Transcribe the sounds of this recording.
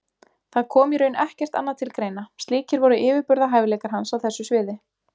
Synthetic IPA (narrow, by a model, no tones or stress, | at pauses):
θaðkʰɔːmiɾœːɥnɛhcɛr̥t̪a̰nːaðt̪ʰɪlkɾeːjnast̪liːcɪɾvɔɾʏʔɪːvɪɾpʏɾðaɦaːjvɪlɛːjkaɾ̥ɦansawθɛsːʏsvɪːðɪ